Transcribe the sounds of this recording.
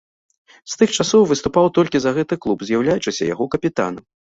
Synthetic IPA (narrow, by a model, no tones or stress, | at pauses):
st̪ɨxt͡ʂasɔwvɨst̪upawt̪ɔlʲkʲizɐɣɛt̪ɨklˠupzʲjawlʲajut͡ʂɨsʲɐ̰ja̰ɣɔkɐpʲit̪a̰nɐm